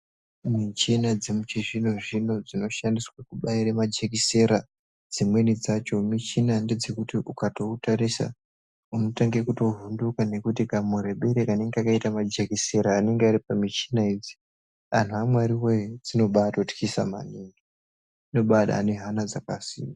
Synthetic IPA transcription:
mit͡ʃinad͡zemut͡ʃiʐinoʐino̞d͡zino̞ʃandiswakuɓaiɾamad͡ʒekise̞ɾa | d͡zimwe̞nid͡zat͡ʃo̞mit͡ʃinande̞d͡ze̞kutiʔukato̞utaɾisa̰ | uno̞taŋɡekuto̞ɦundukane̞kut̬ikamure̞ɓe̞ɾekane̞ŋɡeakaitamad͡ʒekise̞ɾaːne̞ŋɡeaɾipamit͡ʃinaid͡zi̥ | an̤uamwaɾiwejed͡zino̞ɓatoti̥kisa̰ma̰niːŋɡi | ino̞ɓaɗa̰ːne̞ɦanad͡zakasḭːma

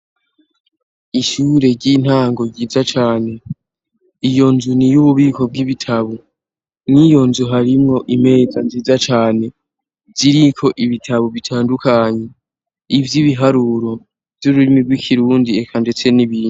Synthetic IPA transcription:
iʃuːɾe̞ɾɟin̥haːŋɡo̞ɟiːzat͡ʃaːne̞ | ijo̞nzunijuβuβiːko̞b̚ɡiβitʰaβo | nijo̞nzuɦaɾimŋo̞ʔime̞ːzanziːzat͡ʃaːne̞ | ziɾikʰo̞ʔiβitʰaβoβitʰaːndukaɲe̞ | ivjiβiɦaɾuɾo̞ | v̥juɾuɾimiɡwikʰiɾuːndie̞kʰande̞t͡se̞niβiːnu

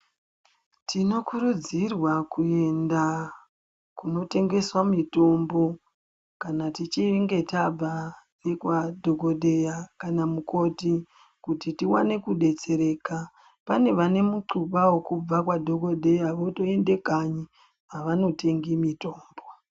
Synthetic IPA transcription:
tʰino̞kuɾud͡zirwakue̞nda | kuno̞te̞ŋɡe̞swamito̞mbo̞ | kanatit͡ʃiŋɡe̞tab͡va | rekwadʱoɡʱo̞ɗe̞jakanamuko̞ti | kutitiwa̰ne̞kuɗe̞t͡se̞ɾe̞ːka | pane̞ʋane̞muǀupawokub͡vakwadʱo̞ɡʱo̞ɗe̞jaʋo̞to̞e̞nde̞kaɲi | aʋano̞tʰe̞ŋɡimito̞ːmbo̞

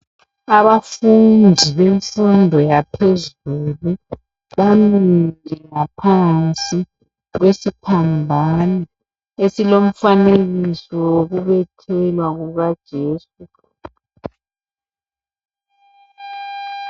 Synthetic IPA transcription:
aβafundʱiβeɱfundʱɔjapʰezulu | βamindʱɛŋapʰant͡sʼi | ɣwesipʰambʱana | esilom̩faneɣisɔwoɣuβɛtʰɛlwaɣuɣad̥ʒ̥ʱeːsu

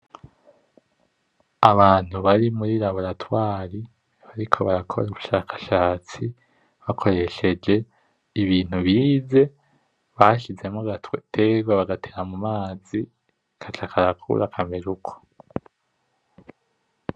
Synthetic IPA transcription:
aβaːn̥huβaɾimuɾiɾaβoɾatwaːɾi | βaɾikʰo̞βaɾakʰo̞̰ɾauβuʃaːkʰḁʃaːt͡si | βakʰo̞ɾe̞ʃe̞d͡ʒe̞ | iβiːn̥uβiːze̞ | βaʃize̞moɡatwtʰeɡwaβaɡateɾamumaːzi | kʰat͡ʃakʰaɾakʰṵɾakʰameɾukʰo̥

